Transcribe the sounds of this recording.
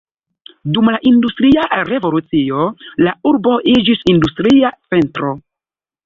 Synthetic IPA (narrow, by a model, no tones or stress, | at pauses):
dumlaʔindustɾiaɾe̞vo̞lut͡sio̞lauɾbo̞ʔid͡ʒisindustɾiat͡se̞ntɾo̞